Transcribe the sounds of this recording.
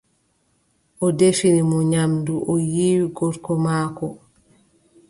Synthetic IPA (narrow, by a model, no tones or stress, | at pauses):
ʔɔdefinimɔɲamduʔɔjiːwiɡɔɾkɔmaːkɔ